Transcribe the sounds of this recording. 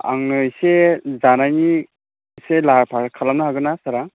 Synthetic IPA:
a̰ŋɯjsezanajni | selaɾpʰaɾkʰalamnaɦaɡɯnasaɾaŋ

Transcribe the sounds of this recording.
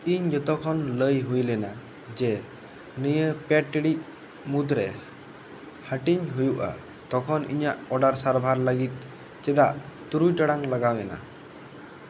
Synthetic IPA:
iɲd͡ʒɔt̪ɔkʰɔnləjɦujlɛna | d͡ʒɛ | nəjəpɛʈːiɽic̪̚ˀ | mud̪ɾɛ | həʈiɲɦujuʔa̰ | t̪ɔkʰɔnḭɲaʔɔɖaɾsaɾbʱaɾləɡit̪̚ˀ | t͡ʃɛd̪aʔt̪uɾujʈaɽaŋləɡawɛna̰

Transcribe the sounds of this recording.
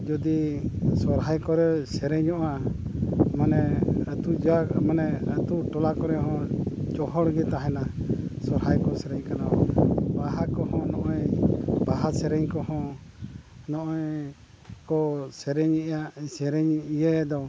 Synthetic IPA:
d͡ʒɔd̪isɔɾɦajkɔɾɛsɛɾɛɲɔʔa | manɛət̪ud͡ʒamanɛət̪uʈɔlakɔɾɛɦɔ̃t͡ʃɔɦɔɽɡɛt̪aɦɛnasɔɾhajkɔsɛɾɛɲkanabaɦakɔɦɔ̃nɔʔɔjbaɦasɛɾɛɲkɔɦɔ̃ | nɔʔɔj | kɔsɛɾɛɲɛʔjaʔsɛɾɛɲijɛd̪ɔ

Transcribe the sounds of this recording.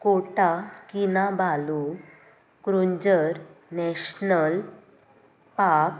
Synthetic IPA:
koʈakinabʱalu | kɾuɲd͡ʑəɾnɛɕnəl | pak

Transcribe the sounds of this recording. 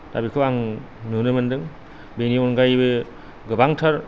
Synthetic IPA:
d̥abikʰɯwaŋ | nɯnɯmɯndɯŋ | beniɔnɡajbɯ | ɡɯbaŋtʰaɾ

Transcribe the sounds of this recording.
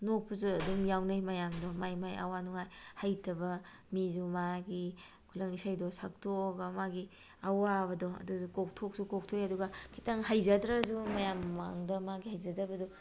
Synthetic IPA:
nok̚pʰuzuɐdumjawnajmɐjamdɔmajmajɐ̰wanuŋajhajtʰɐbɐ | mizumaɡi | kʰulɐŋisajdɔsak̚toːɡɐmaɡi | ɐwabɐdɔɐ̰duukok̚tʰok̚sukok̚tʰojɐduɡɐkʰitʰaŋɦajzɐdɾɐzumɐjamːa̰ŋdɐmaɡihajzɐdɐbɐdɔ

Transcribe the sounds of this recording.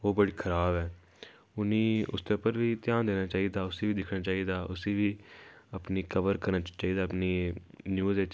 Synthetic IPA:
oːbəɽiːkʰəɾaːbɛː | ʊnĩːʊ̰st̪eːʊpːəɾʋiːt̪ɪjaːnd̪eːnaːt͡ʃaːiːd̪aːʊsiːʋiːd̪ɪkʰnaːt͡ʃaːiːd̪aːʔʊseːʋiːəpniːkəʋəɾkəɾnaːt͡ʃt͡ʃaːiːd̪aːəpniː | njuːzeːt͡ʃ

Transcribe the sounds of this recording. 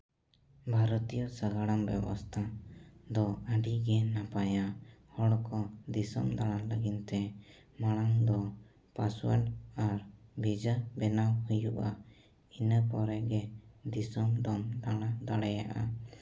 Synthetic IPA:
bʱaɾɔt̪ijɔsaɡaɽambɛ̰bɔ̰st̪ʰad̪ɔaɖiɡɛnapajahɔɽɔkɔd̪isɔ̰md̪aɽ̃aləɡint̪ɛ | maɽaŋd̪ɔ | paswə̰ɖaɾbʱid͡ʒabɛnawhujuʔa | inəpɔɾɛɡɛd̪isɔmd̪ɔmd̪aɽ̃ad̪aɽajaʔa

